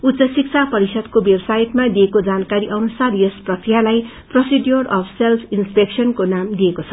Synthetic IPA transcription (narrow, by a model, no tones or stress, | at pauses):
ut̪sʌsik̚t͡sʰapʌɾisʌd̪kobebsajʈmad̪iekod͡zankaɾiʔʌnusarjʌsprʌkrijalaj | prʌsidjorʌpʰselpʰinspeksʌnkonamd̪iekot͡sʰʌ̥